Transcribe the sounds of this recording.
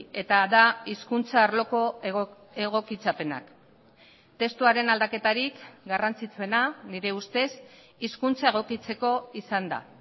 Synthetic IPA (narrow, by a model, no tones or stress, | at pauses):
e̞t̪aðaiskunt͡saːɾlo̞ko̞ | e̞ɣ̞o̞kit͡sape̞na̰k | t̪e̞st̪uaɾe̞nald̪ake̞t̪aɾikɡarant͡sit͡sue̞naniɾe̞ust̪e̞s | iskunt͡sae̞ɣ̞o̞kit͡se̞ko̞isand̪a̰